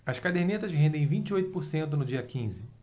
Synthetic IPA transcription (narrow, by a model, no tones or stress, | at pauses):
ɐʃkad̪eɾnet̪ɐzɦẽnd̪ẽj̃vĩt͡ʃɪojt̪ʊpʊɾsẽnt̪ʊnʊd͡ʒiɐkĩzɪ